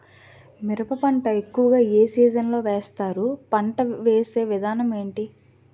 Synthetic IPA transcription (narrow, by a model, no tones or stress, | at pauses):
miɾɐpɐpɐɳʈɐekːuʋɐɡaːeːsiːd͡ʒɐnlo̞ːʋeːst̪aːɾupɐɳʈɐʋeːse̞ːʋid̪ʱaːnɐme̞ːɳʈi